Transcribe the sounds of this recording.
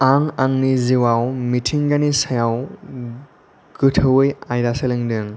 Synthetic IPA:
aŋaŋniziwawmitʰiŋɡanisajaw | ɡ̥ɯtʰɯwɯjajɾaseleŋdɯŋ

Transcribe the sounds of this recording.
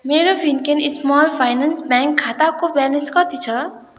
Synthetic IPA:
meːɾofʰinkenismɔːlpʰajnansbɛ̃ŋkʰːat̪akobɛlenskʌt̪it͡ʃʰʌ

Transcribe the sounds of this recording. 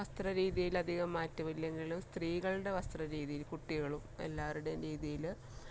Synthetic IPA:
ʋɐst̪rɐɾiːðijilɐd̪ʱiɣɐmːaːtːɐmilːe̞ŋɡilumst̪riːɣɐɭɽe̞ʋɐst̪rɐɾiːðijilkuʈːiɣɐɭume̞̰lːaːruɽe̞ɾiːðijil

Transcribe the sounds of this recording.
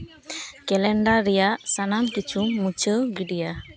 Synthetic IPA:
kɛlɛɳɖaɾijasanamkit͡ʃumːut͡ʃəɡiɖija

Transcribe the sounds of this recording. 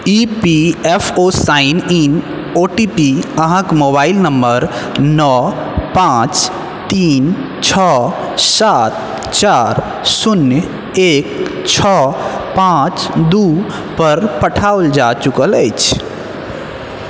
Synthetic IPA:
ipiepʰosainin | oʈipiəɦãkmoβaɪlnəmbəɾnɔ | pãt͡ʃ | t̪iːn | t͡ʃʰɔ | sat̪̚ | t͡ʃaɾ | sunj | ekt͡ʃʰɔpãt͡ʃd̪u | pəɾpəʈʰaold͡ʒat͡ʃukələjt͡ʃʰ

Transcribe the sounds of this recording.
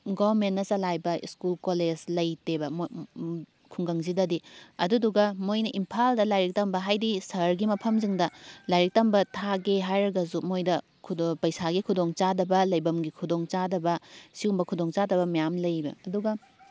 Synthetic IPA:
ɡoɾmenːɐsɐlajbɐḭskulkoled͡ʒlɐjtebɐm | kʰuŋɡɐŋzidɐdiɐduduɡɐmojnɐʔimpʰaldɐlajɾik̚tɐmbɐɦajdisɐɾɡimɐpʰɐmziŋdɐlajɾik̚tɐmbɐtʰaɡeɦajɾɐɡɐzumojdɐ | kʰupɐjsaɡikʰudoŋt͡ʃadɐbɐlɐjbɐmɡikʰudoŋt͡ʃadɐbɐsiumbɐkʰudoŋt͡ʃadɐbɐmijamlɐjbɐ̰ɐduɡɐ

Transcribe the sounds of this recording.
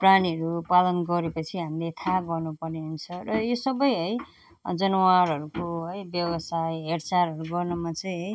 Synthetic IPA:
praniɦʌɾupalʌnɡʌɾepʌt͡sʰiɦamilet̪ʰaɡʌrnupʌrneɦunt͡sʰʌrʌjosʌbʌjɦʌj | d͡zʌnʌwaɾɦʌɾukoɦʌjbjʌbʌsajɦeɽt͡saɾɦʌɾuɡʌrnʌmat͡sʌj̃ɦʌj

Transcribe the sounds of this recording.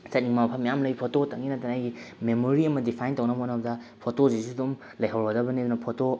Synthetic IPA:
sɐt̚niŋmamɐpʰɐmjamlɐjpʰototʰaŋinɐtʰanajɡimemoɾiɐmɐdipʰajntownɐɦotnɐbɐdɐpʰotozisudum | lɐjɦawɾɡɐdɐbɐnidunɐpʰoto

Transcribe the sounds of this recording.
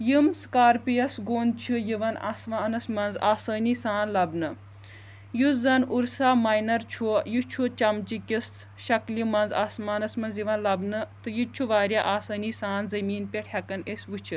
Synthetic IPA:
jimskaːɾpijɐsɡoːnt͡ʃʰijiʋɐna̰ːsmaːnɐsmɐnzaːsɐːniːsaːnlɐbnɨ | juzɐnuɾsaːmaːjnɐɾt͡ʃʰujut͡ʃʰut͡ʃɐmt͡ʃikʲis | ʃɐkljimɐnza̰ːsmaːnɐsmɐnzjiʋɐnlɐbnɨt̪ɨjit͡ʃʰuʋaːɾʲjaʔaːsɐːniːsaːnzɐmiːnpʲeʈʰhɐkɐnesʲʋut͡ʃʰi

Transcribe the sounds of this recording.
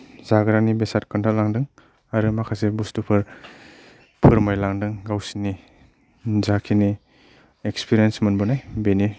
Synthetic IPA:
zaɡɾanibesat̚kɯntʰalaŋdɯŋ | aɾɯmakʰasebustupʰɯɾ | pʰɯɾmajlaŋdɯŋɡawsini | zakʰini | ekspʰiɾiensmanbɔnajbeni

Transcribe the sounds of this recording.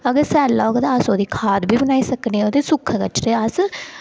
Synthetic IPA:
əɡəɾsɛːlːaːɡt̪aəsoːd̪iːkʰaːt̪bʱiːbənaːisəkneoːd̪iːsʊkʰːkət͡ʃɾeəs

